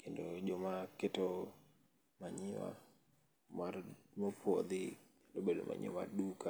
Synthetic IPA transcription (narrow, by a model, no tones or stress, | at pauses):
kendod͡ʒɔmaketo | maɲɪwa̰ | marmopʰwɔd̪ɪ | alobedo̰mʔa̰ɲɪ̰ma̰rduka